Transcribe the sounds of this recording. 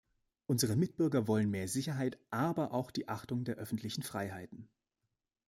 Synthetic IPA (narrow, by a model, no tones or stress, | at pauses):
ʔʊnzəʁ̞əmɪt̚b̥ʏɐɡɐvɔlənmeːɐzɪçɐɦaɪtʔaːbɐʔaʊxd̥iːʔaχtʊŋdeːɐʔœfn̩tʰlɪçn̩fʁ̥aɪɦaɪtn̩